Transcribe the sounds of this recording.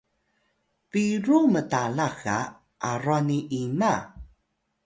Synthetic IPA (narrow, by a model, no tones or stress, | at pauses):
viɾumətalaxa̰ | ʔaraniʔina